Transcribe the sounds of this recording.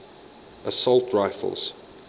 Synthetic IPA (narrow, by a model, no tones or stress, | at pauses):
ʔəsɔlˠtʰɹaɪfə̰lˠz̥